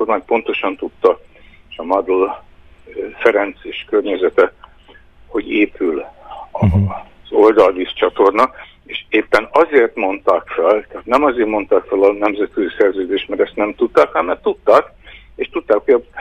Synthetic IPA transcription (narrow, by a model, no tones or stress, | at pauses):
ormaːɲpo̞n̪t̪o̞ʃɒnt̪ut̪ːɒeʃɒmɒd̪ol | fɛɾɛnt̪seːʃkørɲɛzɛt̪ɛ | ho̞ɟeːpʰylɒzo̞ld̪ɒlvist͡ʃɒt̪o̞rnɒ | eːʃeːpːɛnɒzeːrt̪mo̞nt̪aːkfɛlt̪ɛat̪nɛmɒzeːrmo̞nt̪aːkfɛlɒnɛmzɛt̪køzisɛrzøːd̪eːʃt̪mɛɾɛst̪nɛmt̪ut̪ːaːkamɛrt̪ut̪ːaːk | eːʃt̪ut̪ːaːkhojɒ